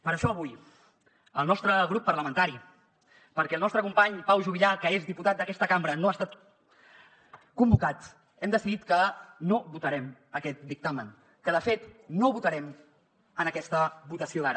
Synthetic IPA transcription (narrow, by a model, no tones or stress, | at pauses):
pəɾəʃɔəβuj | əlˠnɔst̪ɾəɣɾupːəɾləmənt̪aɾi | pəɾkɛlˠnɔst̪ɾəkumpaɲpawʒuβiʎakəezðiput̪at̪̚d̪əkɛst̪əkambɾənoast̪at̪ | kumbukat̪ | ɛmd̪əsiðit̪kənoβut̪əɾɛməkɛt̪̚d̪ik̚t̪amən | kəðəfet̪noβut̪əɾɛm | ənəkɛst̪əβut̪əsioðaɾə